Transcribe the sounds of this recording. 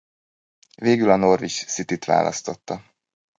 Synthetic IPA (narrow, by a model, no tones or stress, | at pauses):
veːɡylɒno̞rvit͡ʃsit̪it̪ʋa̰ːlʔɒ̰st̪o̞t̪ːɒ